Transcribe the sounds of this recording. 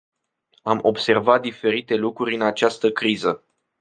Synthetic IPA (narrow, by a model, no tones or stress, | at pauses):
amo̞bse̞rvat̪̚d̪ife̞ɾit̪e̞lukɾuɾʲɨnat͡ʃast̪əkɾizə